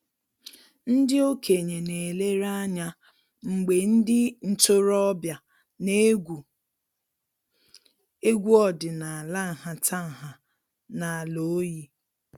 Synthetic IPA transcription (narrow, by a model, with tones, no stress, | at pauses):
n̩˦dɪ˦o˦kʰe˨ɲe˨ne˨le˦ɾa˦ɲa˦ | ŋ͡m̩˨ɡ͡be˨n̩˦dɪ˦n̩˨tʊ˦ɾɔ˦bja˨ | ne˦ɡu˨ | e˦ɡʷu˦ɔ˦dɪ˨na˨a˨la˦˨ɦa˨tʰa˦˨ɦa˨ | na˨a˨lo˨˦ji˦